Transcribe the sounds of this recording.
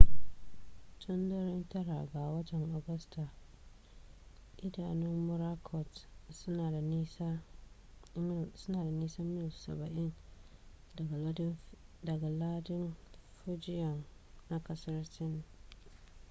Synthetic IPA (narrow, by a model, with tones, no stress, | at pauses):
tʰʊ˦ndɐ˦ɾɪ˦ntɐ˦ɾa̰˨ɡa˨wɐ˦tɛ˨ŋʔɔ˨ɡɐ˦sta˨ | ʔɪ˦da̰ː˨nɪ˦mːʊ˦ɾa˦kʰɔ˨tsʊ˦naː˨da˨ni˦sa˦ | sʊ˦naː˨da˨niː˦sa˦mɪ˦jssɐ̰˨bɐ˨ʔɪ˦n˨˦ | dɐ˨ɡa˨laː˦dɪ˦nfʊ˦d͡ʒɪ˦jɔ˨ŋna˦kɐ˦sɐ˦rt͡ʃɪ˦n˨